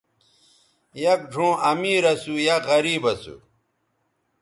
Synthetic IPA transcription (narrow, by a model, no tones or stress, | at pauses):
jɐk̚ɖʱõːɐmiːɾɐsujaɣɐɾiːbɐsṵ